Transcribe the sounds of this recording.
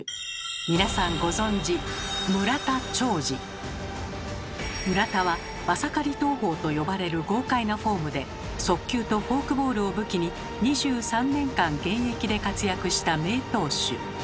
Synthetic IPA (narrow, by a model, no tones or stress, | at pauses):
mʲinasãŋɡo̞zõ̞ɲd͡ʑimɯ̟ɾat̪at͡ɕo̞ːd͡ʑi | mɯ̟ɾat̪aβa | βasakaɾʲit̪o̞ːɦo̞ːt̪o̞jo̞baɾe̞ɾɯ̟ɡo̞ːkainoɸo̞ːmɯ̟d̪e̞ | so̞kʲːɨːt̪o̞ɸo̞ːkɯ̟bo̞ːɾɯ̟o̞bɯ̟kʲiɲ̟i | ɲ̟iʑɨːsãnːẽ̞ŋkãŋɡẽ̞ɰ̃e̞kʲid̪e̞kat͡sɨjakɯ̟ɕi̥t̪ame̞ːt̪o̞ːɕɨ̰